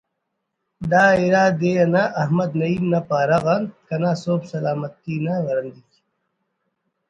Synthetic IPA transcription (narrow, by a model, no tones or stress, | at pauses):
d̪aːiɾaːd̪eɐnaʔɐhmɐd̪nɐiːmnɐpaːɾɐɣɐnkɐnaːsoːbsɐlaːmɐt̪ːiːnawɐɾɐnd̪ik